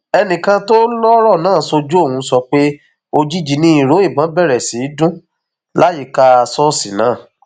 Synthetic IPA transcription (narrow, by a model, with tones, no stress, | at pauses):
ɛ˧nĩ˨kã˧to˦lɔ˦ɾɔ˦˨nãː˦˨˦so˧d͡ʒu˦o˦˨hũ˧˦sɔ˧k͡pe˦ | o˧d͡ʒi˦d͡ʒi˦nĩ˦ĩ˨ɾo˨˦i˦˨bã˨˦bɛ˦˨ɾɛ˨si˨˦dũ˦ | la˦ji˦˨ka˦a˧sɔ˦si˨nãː˨˦˨